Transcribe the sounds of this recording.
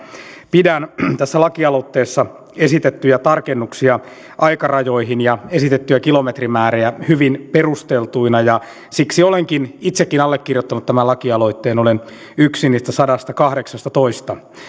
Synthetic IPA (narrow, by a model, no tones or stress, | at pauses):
pidænt̪æsːælɑkiɑlot̪ːeːsːɑ | esit̪et̪ːyjæt̪ɑrkenːuksiɑ | ʔɑjkɑrɑjo̞iɦinjɑesit̪et̪ːyjækilo̞met̪rimæːreæhyʋinperust̪elt̪uinɑjɑ | siksioleŋkinit̪sekːinɑlːekːirjot̪ːɑnut̪t̪æmælɑkiɑlo̞it̪ːeːnolen | yksiniːst̪æsɑdɑst̪ɑkɑhdeksɑst̪ɑt̪oist̪ɑ